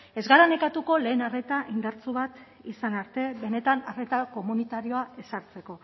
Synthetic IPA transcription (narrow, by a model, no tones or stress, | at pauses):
e̞zɣaɾanekat̪uko̞le̞ːnare̞t̪aʔind̪aɾt͡suβat̪ | isanaɾt̪e̞βe̞ne̞t̪anare̞t̪ako̞munit̪aɾio̞ae̞saɾt͡se̞ko̞